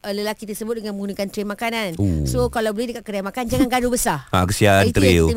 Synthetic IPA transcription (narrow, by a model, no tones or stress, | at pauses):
ələlakit̪ərsəbʊt̪̚dəŋanməŋunikant̪ɾemakananosokalawbolɛhdəkat̪̚kərdajamakand͡ʒaŋanɡadubəsaakəsiaant̪əɾi